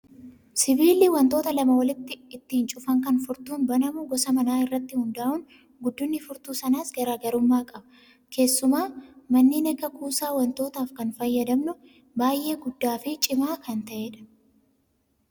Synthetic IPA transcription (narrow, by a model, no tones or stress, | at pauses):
sɪbiːliwɐnt̪o̞ːt̪ɐlɐmɐwɐlɪt̪ːɪɪt̪ːiːnt͡ʃʼʊfɐŋkɐnfʊɾt̪uːnbɐnɐmʊɡɔsɐmɐnaːɪrːɐt̪ːɪhʊnd̪ɐːʔʊn | ɡʊd̪ːʊnːɪfʊɾt̪uːsɐnaːsɡɐɾaːɡɐɾʊmːaːkʼɐbɐ̥ | kʰe̞ːsːʊmaːmɐnːiːnɐɡɐkʰʼuːsaːwɐnt̪o̞ːt̪aːfkɐnfɐjːɐd̪ɐmnʊ | baːjʔe̞ːɡʊd̪ːaːfɪt͡ʃʼɪmaːkʰɐnt̪ɐʔe̞ːᶑɐ̥